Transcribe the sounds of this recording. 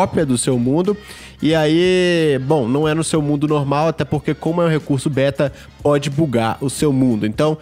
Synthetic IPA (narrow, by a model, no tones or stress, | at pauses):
ɔpɾiɐd̪ʊsewmũnd̪ʊ | ɪaibõw̃nɐ̃w̃ɛnʊsewmũnd̪ʊnoɾmawat̪ɛpoɾkekõmʊɛũɦekuɾsʊbɛt̪ɐ | pɔd͡ʒɪbuɡaɾʊsewmũnd̪ʊẽnt̪ɐ̃w̃